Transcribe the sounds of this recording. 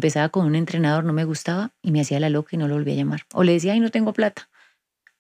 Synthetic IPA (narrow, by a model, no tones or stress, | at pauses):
mpe̞saβako̞nune̞nt̪ɾe̞nað̞o̞ɾno̞me̞ɣust̪aβaime̞asialalo̞kaino̞loo̞lβia̰ʝamaɾo̞̰le̞ðes̬iaajno̞t̪e̞ŋɡoplat̪ḁ